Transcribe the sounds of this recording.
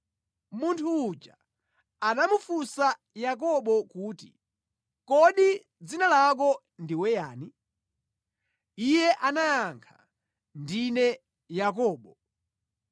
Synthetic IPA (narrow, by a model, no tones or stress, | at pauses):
muntʰuːt͡ʃa | anamufusa | jak̬ɔɓɔkuːtḭ | kɔɗi | d͡zinalak̬ɔ | ndiwɛjaːni | ijɛʔanajaŋkʰa̰ | ndinɛ | jakɔːɓɔ